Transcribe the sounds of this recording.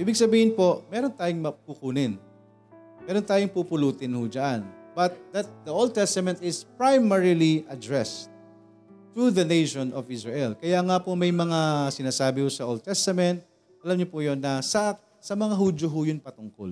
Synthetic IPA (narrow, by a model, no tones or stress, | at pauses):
ʔiːbɪɡsɐbiːhɪnpo̞ʔmɛːɾont̪aːjoŋmɐpukuːnɪn | mɛːɾont̪aːjoŋpupʊluːt̪ɪnhʊd͡ʒɐʔanbɐt̪̚d̪ɐt̪̚d̪ɐʔold̪̚t̪ɛst̪ɐmɛ̃nt̪ɪspɹajmɛɹiliʔɐd̪ɹɛst̪̚ | t̪ːuðɐnejʃonʔɔvɪsɹɛʔɛlkɐjaŋapomɐjmɐŋasɪnaːsaːbɪhʊsɐʔold̪̚t̪ɛst̪ɐmɛnt̪̚ | ʔɐlɐmɲopʊjonːɐsɐ | sɐmɐŋaɦuːd͡ʒjoɦʊjʊnpɐt̪ʊŋko̰l